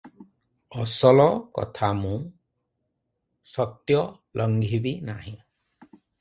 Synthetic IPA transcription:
ɔsɔlɔkɔ̰t̪ʰamũ | sɔt̪jɔ | lʔɔŋɡʱibinaɦĩ

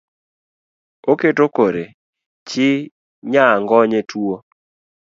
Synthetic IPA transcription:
oketokoɾe | t͡ʃɪ | ɲaŋɡɔɲetuo

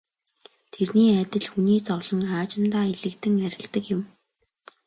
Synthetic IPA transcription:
t̪ʰerniːæt̪ʲɪ̆ɮxuniːt͡sɔwɮɞ̆ŋaːt͡ɕɪ̆mt̪aːiɮɘ̆kt̪ɘ̆ŋæɾʲɪ̆ɬt̪ə̆kjʊ̆m

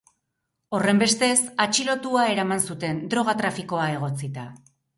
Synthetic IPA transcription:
o̞re̞mbe̞st̪e̞sat͡ʃilo̞t̪uae̞ɾamansut̪e̞nd̪ɾo̞ɣ̞at̪ɾafiko̞ae̞ɣ̞o̞t͡sit̪a

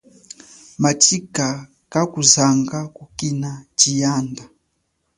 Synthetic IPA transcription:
mat͡ʃika | kakuzaŋɡakukinat͡ʃijanda

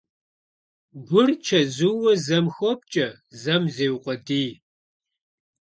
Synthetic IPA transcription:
ɡʷʊrt͡ʃʰɐzɨwɐzɐmxʷɔp̚t͡ʃʼɐ | zɐmzeːwqʷʼɔdiː

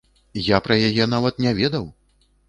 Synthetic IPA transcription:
japɾɐjajɛnavɐt̪nʲɛvʲɛd̪ɐw

